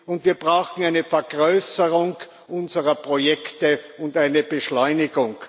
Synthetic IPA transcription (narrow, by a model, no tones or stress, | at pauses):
ʊntviːɐbʁaʊxn̩aɪnəfɛɐɡʁøːsəʁʊŋ | ʔʊnzəʁɐpʁ̥ojɛktəʊntaɪnəb̥əʃlɔʏnɪɡʊŋ